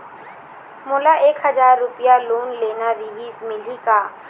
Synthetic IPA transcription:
moːlaʔeːkɦəzaːɾːʊpijaloːnleːnaɾɪɦiːzmɪlikaː

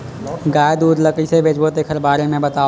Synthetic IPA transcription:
ɡaːjd̪uːd̪ləkɾisebʱeːd͡ʒbot̪eːkʰəɾbaːɾemẽbɐt̪aː

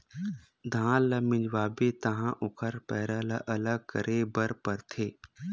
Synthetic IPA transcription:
d̪ʱãːləmɪ̃d͡ʒʋaːbet̪ɐɦãːʔʊkʰəɾpɛːɾələʔələɡ̚kəɾʔebəɾpəɾt̪ʰeː

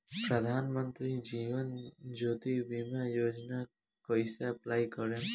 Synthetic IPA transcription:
pɾəd̪ʱaːnmənt̪ɾid͡ʒiːʋənd͡ʒoːt̪ibimajoːd͡ʒna | kɔjseɐplajkɔɾe

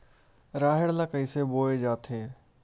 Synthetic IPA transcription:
ɾaːɦɪɽlakəiseboːed͡ʒaːt̪ʰeː

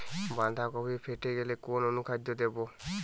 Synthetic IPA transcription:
bandʱakɔbipʰɛteɡɛlɛkɔnɔnukʰadːɔdebɔ

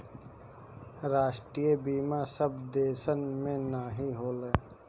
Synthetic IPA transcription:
ɾaːʃʈɾijebiːmasəbd̪eːʃənmẽnaːɦiɦoːleː

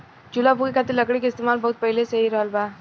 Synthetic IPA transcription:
d͡ʒʊlabuɡikʰaːt̪eɾlɐkɽikeɪst̪eːmaːlbɐɦʊt̪̚pɛɦlesɐɦiɾɔːlbaː

